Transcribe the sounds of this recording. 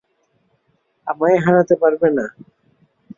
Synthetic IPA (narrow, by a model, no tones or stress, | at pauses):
amaeɦaɾat̪epaɾbena